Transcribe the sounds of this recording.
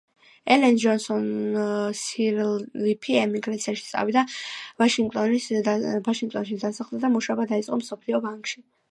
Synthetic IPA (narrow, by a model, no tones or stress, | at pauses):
ɛlɛnd͡ʒɔnsɔnsiɾlipʰiɛmiɡɾat̪sʰiaʃi̥t̪sʼa̰vid̪avaʃiŋɡt̪ʼɔnivaʃiŋɡt̪ʼɔnʃid̪asaχlˠd̪ad̪amuʃaɔbad̪ait̪sʼqʼɔmsɔpʰliɔbaŋkʼʃi